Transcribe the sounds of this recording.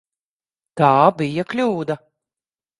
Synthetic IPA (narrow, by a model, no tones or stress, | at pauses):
t̪aːbijɐklʲuːd̪ɐ